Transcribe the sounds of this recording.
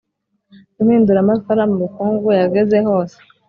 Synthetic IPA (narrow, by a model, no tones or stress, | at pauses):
kumiːnduɾamafoɾamumikuːŋɡujaɡeze̞ɦo̞ːse̥